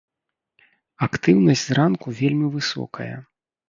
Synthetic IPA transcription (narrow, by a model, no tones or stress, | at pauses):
akt̪ɨwnɐsʲzrankuvʲelʲmʲivɨsɔ̰kʰɐ̰jɐ̰